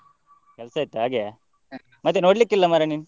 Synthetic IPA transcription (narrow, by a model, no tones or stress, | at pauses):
kɛlsɐːit̪ːuɦaːɡe | mɐt̪ːenoːɽlikːilːɐmɐɾɐniːnu